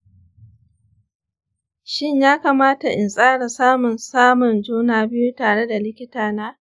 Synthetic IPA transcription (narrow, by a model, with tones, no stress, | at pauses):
ʃɪ˦ɲjaː˦kaː˨maː˦ta˨ʔɪ˨nsʼaː˦ɽa˨saː˦mʊ˨nsaː˦mʊ˨nd͡ʒuː˦naː˨bɪ˦ju˦taː˨ɽe˦da˨lɪ˦kʲɪ˦taː˨naː˦